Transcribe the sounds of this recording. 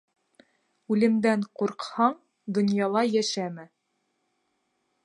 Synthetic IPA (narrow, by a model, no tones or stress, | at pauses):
ʉlɘ̆md̪æɴquɾqhɑɴ | d̪ŏnjɑlˠɑjæʃæmɘ